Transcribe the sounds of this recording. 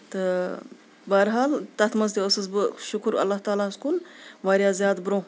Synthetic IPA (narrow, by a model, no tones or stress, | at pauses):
t̪ɨ | bɐɦɐɾɦaːlt̪ɐt̪ʰmɐzd̪eəsɨzbɨʃʊkɾɐ̰lːaɦt̪aːlaːskunʋaːɾjaːzjaːd̪bɾõː